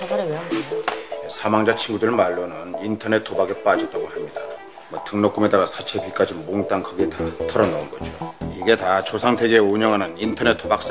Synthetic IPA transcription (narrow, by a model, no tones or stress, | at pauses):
esʰamaŋd͡ʑat͡ɕʰinɡudɯɾɯɭmaɭːonɯnintʰʌne̞t͈ʰːobaɡep͈ad͡ʑʌt͈̚aɡohamɲida | mʌtɯŋnok͈ume̞daɡasʰat͡ɕʰe̞pik͈ad͡ʑimoŋt͈aŋkʌɡitatʰʌɾʌnounɡʌd͡ʑoiɡe̞tat͡ɕosʰaŋtʰeɡeoɲʌŋɦanɯnintʰʌne̞t͈ʰːobak̚s͈